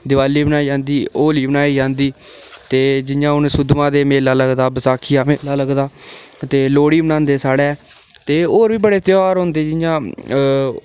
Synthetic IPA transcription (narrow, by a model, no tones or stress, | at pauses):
d̪ɪʋaːliːbənaːiːd͡ʒãːnd̪iːoːliːbənaːiːd͡ʒãːnd̪iːt̪eːd͡ʒɪjãːʊnsʊd̪mãːd̪eːmeːlaːləɡd̪aːbəsaːkʰɪjaːmeːlaːləɡd̪aːt̪eːloːɽiːbənãːnd̪eːsaːɽeː | t̪eːoːɾʋiːbəɽeːt̪joɾɦõnd̪eːd͡ʒɪjãː